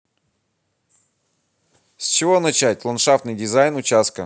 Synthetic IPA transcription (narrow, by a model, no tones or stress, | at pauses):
sʲt͡ɕɪvo̞nɐt͡ɕætʲlˠɐnʂaft̪nɨjdʲɪzajnʊt͡ɕast̪kə